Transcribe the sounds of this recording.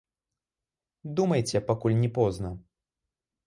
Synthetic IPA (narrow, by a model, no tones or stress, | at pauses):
d̪umɐjt͡sʲɛpakulʲnʲɛpɔznɐ